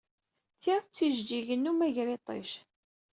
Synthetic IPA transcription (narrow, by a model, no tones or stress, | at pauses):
θiʁt͡sːiʒd͡ʒiʝənːumæʝɾit̪ˤḛʃ